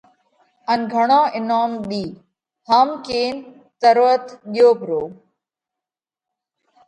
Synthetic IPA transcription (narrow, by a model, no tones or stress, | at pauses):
ənɡʱəɳãːʔɪnaːmɗ̪iː | haːmkeːn | t̪əɾət̪ɠɪjoːpɾoː